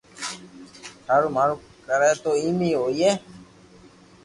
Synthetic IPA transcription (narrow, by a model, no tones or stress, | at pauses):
tʰaːɾuːmaːɾu | kəɾat̪oːiːmiːɦoːieː